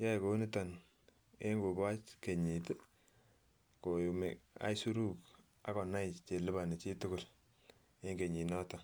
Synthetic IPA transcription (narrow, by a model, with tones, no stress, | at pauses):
ja˦jko˨˦ni˦ta˨n | e˦ŋɡo˨ba˦t͡ʃke˨ɲi˨t | ko˨ju˨me˨a̰˦jsu˦ɾu˦k | a˦kɔ˨na˦jt͡ʃe˨lɪ˦ba˨ne˨t͡ʃi˦tʊ˦kʊ˨l | e˦ŋɡe˨ɲi˨nɔ˦ta˨